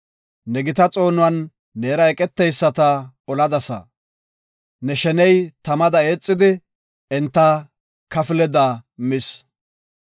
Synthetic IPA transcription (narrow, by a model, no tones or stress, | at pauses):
nɛɡɪt̪ɐt͡sʼo̞ːnʊɐnː | e̞ːɾɐɛkʼɛt̪ːɛjsːɐt̪ɐ | ɔlɐd̪ɐsɐ̰ | nɛʃɛnɛjt̪ɐmɐd̪ɐeːt͡sʼːɪd̪ɪ | ɛnt̪ːɐ | kɐfɪlɛd̪ɐmɪs